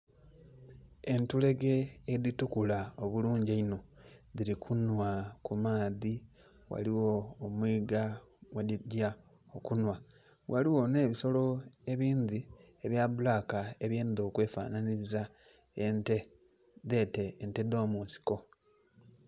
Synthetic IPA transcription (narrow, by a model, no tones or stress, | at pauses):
e̞ntule̞ɡe̞ːðitukulaoβuluːɲɟaino̞ðiɾikʰunwakumaːði | wa̰liwo̞ːmwiːɡawaɟa | okunwa | waliwo̞ne̞ːβiso̞lo̞e̞βiːndi | e̞βjaβulaːkae̞βje̞ːnd̪o̞ːkwe̞ːfa̰ːnaniza | te | ðe̞teːnte̞do̞ːmuːnsi̥ko